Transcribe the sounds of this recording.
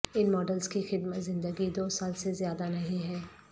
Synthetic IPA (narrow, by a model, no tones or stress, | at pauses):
ɪnmɔːɖəlzkixɪd̪mət̪zɪ̃nd̪əɡid̪oːsaːlsezjaːd̪anɐɦĩɦɛː